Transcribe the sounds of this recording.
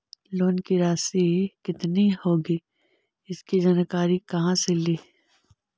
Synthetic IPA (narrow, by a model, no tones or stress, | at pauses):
loːnkiɾaːsikɪt̪nihoːɡiː | ɪskid͡ʒɐnəkaːɾikɐɦãseliː